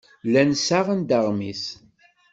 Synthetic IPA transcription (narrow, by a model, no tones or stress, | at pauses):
lænsaʁənd̪əʁmis